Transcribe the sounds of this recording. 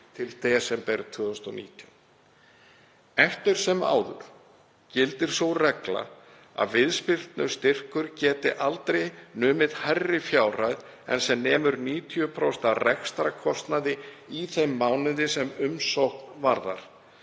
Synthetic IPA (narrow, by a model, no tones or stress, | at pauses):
t̪ʰɪlθɛsɛmpɛɾʏt̪ʰvʏːðʏst̪ɔnḭːt̪ʰjʏn | ɛft̪ʏɾ̥sɛma̰ːwðʏ̰ɾ̥ | cɪlt̪ɪɾ̥sowrɛkla̰ | a̰ðvɪðspɪr̥t̪nʏ̥st̪ɪr̥kʏɾcɛːt̪ɪʔalt̪ɾejnʏːmɪðhajrːɪfjaːwrajð | ɛ̰nsɛmnɛːmʏɾniːt̪ʰiʏpʰɾɔst̪arɛkst̪ɾakʰɔst̪naðɪiθejmːawnɪðɪsɛmʏmsowhknvaɾða̰ɾ̥